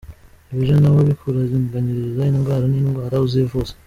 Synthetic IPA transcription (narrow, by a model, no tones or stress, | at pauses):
iβiʒanawoβikuɾazinɡaɲiɾiizainŋɡaɾaninŋɡwaːɾauzevuzḁ